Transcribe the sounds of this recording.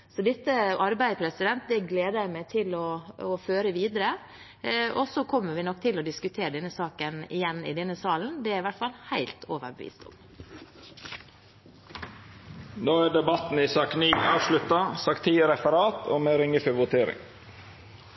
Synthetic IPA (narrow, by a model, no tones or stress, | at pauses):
sɔd̪ɛt̪ːəʔɑɾbæɪpʰɾɛsɪd̪ɛnt̪̚d̪ɛɡleːd̪əjæɪmæɪt̪ʰɪlɔɔføːɾəʋiːd̪əɾə | ʔɔsɔkʰɔmːəɾʋɪnɔk̚ːt̪ʰɪlɔd̪ɪskʉt̪ʰeːɾəd̪ɛnːəsɑːkənɪ̰jɛnːɪ̰d̪ɛnːəsɑːln̩d̪ɛæɾɪʋæʈfɑlhæɪlt̪ʰoːʋə̰ɾbəʋḭːst̪ɔ̰m | noːæːɖɛbɑt̪n̩isɑːkniːɑːʋʃlʉt̪ɑsɑkt̪ʰiːɾɛfəɾɑːt̪o̰ːmeːɾɪŋəfœʋʊt̪ʰeːɾɪ̰ŋ